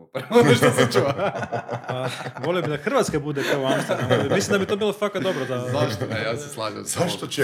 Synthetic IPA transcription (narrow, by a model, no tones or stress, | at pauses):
pɾoiʃast͡ʃua | aʋolijobid̪axr̩ʋat̪skabud̪ekaoansamislimd̪abit̪obiːlˠofakat̪d̪obɾod̪azaʃt̪ojaːseslˠaʒz̥aʃt̪ot͡ɕe